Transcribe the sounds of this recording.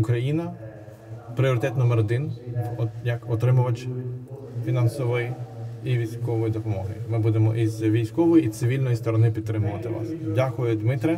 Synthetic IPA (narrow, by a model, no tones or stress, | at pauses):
ʊkɾɐjinɐ | pɾʲɪɔɾɪt̪ɛt̪nɔmɛɾɔd̪ɪnɔjɐkɔt̪ɾɪmʊʋɐt͡ʃ | fʲinɑnsɔʋɔjiiʋʲijsʲkɔʋɔjid̪ɔpɔmɔɦɪ̰mɪbud̪emɔ̰ʔizʋʲijsʲkɔʋɔjiit̪sɪʋʲilʲnɔjist̪ɔɾɔnɪpʲid̪̚ɾɪmʊʋɐt̪ɪʋɑ̰sdʲakʊjʊd̪mɪt̪ɾɛ